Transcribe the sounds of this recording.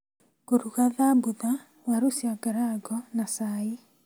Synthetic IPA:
koɾuɣaðabuða | waɾosjaɡaɾaɡɔnasai

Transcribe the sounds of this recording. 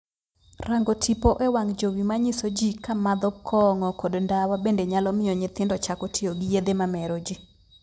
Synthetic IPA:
raŋɡɔtʰipoʔɛwaŋd͡ʒowimaɲɪsod͡ʒikamad̪ɔkʰːɔŋɔkodndawabendeɲalɔmɪɔɲɪt̪ɪndɔt͡ʃakɔtʰɪoɡijed̪emamɛɾod͡ʒi

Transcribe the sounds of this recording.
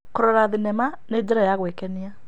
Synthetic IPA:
koɾɔɾaðinɛmanedeɾajaɣwekɛnia

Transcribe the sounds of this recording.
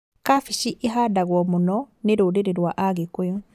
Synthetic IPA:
kafiʃiʔiɦadaɣwɔmunɔneɾudeɾeɾwaʔaɣekujɔ

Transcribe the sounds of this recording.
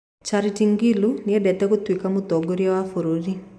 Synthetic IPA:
t͡ʃaɾitiŋɡiluniɛdɛt̪ɛɣot̪wikamot̪ɔɡoɾiawafoɾoɾi

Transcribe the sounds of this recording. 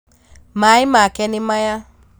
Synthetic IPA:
maimakɛnɪmaja

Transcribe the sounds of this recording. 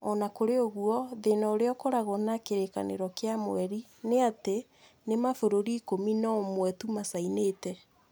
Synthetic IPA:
ɔnakoɾeoɣuɔðenaoɾeɔkoɾaɣɔnakeɾeka̰nḛɾɔkeamo̰ɛɾi | neate | nemafoɾoɾiːkominɔmwɛtumasaineːtɛ

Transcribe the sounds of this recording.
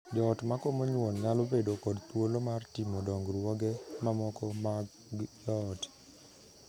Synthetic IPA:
d͡ʒɔtmakomoɲwonɲalobedokɔdt̪wolomartɪmodɔŋɡɾwɔɡɛmamɔkɔmaɡ | ɡjɔt

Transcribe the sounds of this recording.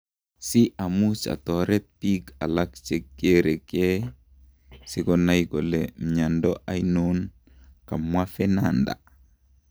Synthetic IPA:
siʔamut͡ʃa̰tɔɾɛt̚pika̰lakt͡ʃekːeɾeke | sikɔnajɡɔlemɲandɔʔajnun | kamwafɛnanda̰

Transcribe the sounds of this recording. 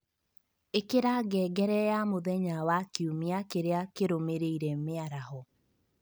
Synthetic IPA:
ekeɾaɡɛːɡɛɾɛjamoðɛɲawakeumiakeɾeakeɾomeɾeiɾɛmeaɾaɦɔ

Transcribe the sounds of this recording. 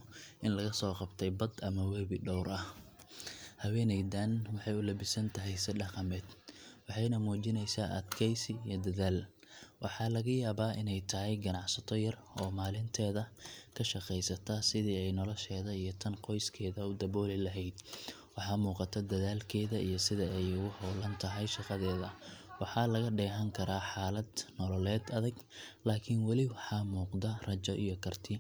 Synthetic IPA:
ʔɪnlɐɣɐsɔːqɑbt̪ʰɛjbɐd̪ɐmɐwɛːβɪɖɔwɾɐh | hɐwɛːnɛjd̪anwɑħɑjʊlɐbɪsɐnt̪ʰɐɦɛjsɪɖɑqɑmɛːd̪wɑħɑjnɐmuːt͡ʃɪnɛjsaːʔɐd̪kʰɛjsɪijɞd̪ɐðaːl | wʔɑħɑːlɐɣɐjaːβaːʔɪnɛjt̪ʰɐɦɛjɡɐnɑʕsɐt̪ʰɔjɐr | ɔːmaːlɪnt̪ʰɛːðɐkʰɐʃɑqɛjsɐt̪ʰaːsɪðiːɛjnɔlɔʃɛːðɐijɞt̪ʰɐnqɔjskʰɛːðɐʊd̪ɐβɔːlɪlɐɦɛjd̪ | wɑħɑːmuːqɑt̪ʰɐd̪ɐðaːlkʰɛːðɐʔijɞsɪðɐɛjʊɣʊhɔwlɐnt̪ʰɐɦɛjʃɑqɑðɛːðɐwɑħɑːlɐɣɐɖɛːɦɐŋkʰɐɾaːħaːlɐd̪nɔlɔlɛːd̪ɐðɐɡ | laːkʰɪnwɑlɪwɑħɑːmuːqd̪ɐrɐt͡ʃɔʔḭjɔkʰɐrt̪ʰɪ

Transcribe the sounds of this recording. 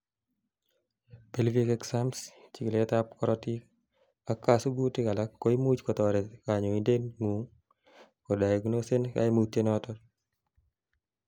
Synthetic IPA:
pelvikɛksamst͡ʃiklɛt̪apkɔɾɔtik | akasubutɪkalakːoimut͡ʃkɔt̪ɔɾɛkaɲoindenŋuŋ | kɔdaeɡnosenka̰jmut̪ːenɔtɔ

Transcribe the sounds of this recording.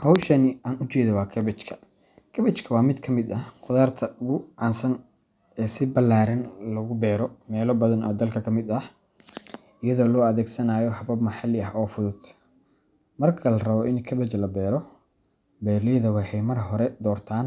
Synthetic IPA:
hɑwʃɐnɪaːnʊt͡ʃɛːðɔwɑːkʰɐβɛt͡ʃkʰɐ̥ | kʰɐβɛt͡ʃkʰɐwɑːmɪd̪kʰɐmɪd̪ɐhqʊðaːrt̪ʰɐʊɣʊʕɑːnsɐn | ɛːsɪbɐlːaːɾɐnlɐɣʊbɛːɾɔmɛːlɔbɐðɐnɔ̰ːd̪ɐlkʰɐkʰɐmɪd̪ɐh | ɪjɐðɔːlɔːɐðɛːɡsɐnaːjɔhɐβɐbmɐħɑlɪɐɦɔːfʊðʊd̪ | mɐrkʰɐlɐrɐβɔʔɪnkʰɐβɛt͡ʃlɐbɛːɾɔ | bɛːɾlɛðɐwɑħɛjmɐrɦɔɾɛd̪ɔːrt̪ʰaːn

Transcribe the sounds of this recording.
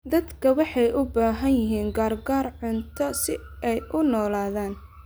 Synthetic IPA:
d̪ɐd̪kʰɐwɑħɑjʔʊbaːɦɐnjɪɦiːŋɡaːrɡaːrʕʊnt̪ʰɔsɪ | ʔɛjʔʊnɔːlaːðaːn

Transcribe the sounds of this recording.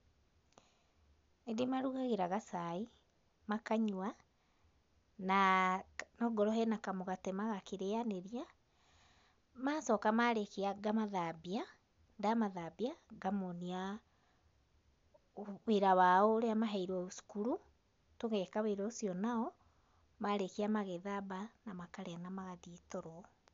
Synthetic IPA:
nedimaɾuɣaɣeɾaɣasai | makaɲwwa | na | nɔɡɔɾɔɦɛnakamoɣatɛmaɣakeɾeaneɾia | maːsɔkamaɾekeaɡamaðabia | ndamaðabiaɡamonia | weɾawaɔoɾeamaɦaiɾwɔusu̥kuɾu | toɣɛkaweɾɔosiɔnaɔ | maɾekiamaɣɛðabanamakaɾeanamaɣaðitoɾɔ

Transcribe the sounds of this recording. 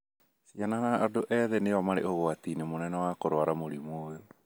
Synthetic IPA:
siananaʔadoʔɛðɛnejɔmaɾeʔoɣoatinemonɛnɛwakoɾoaɾamoɾimoːjo

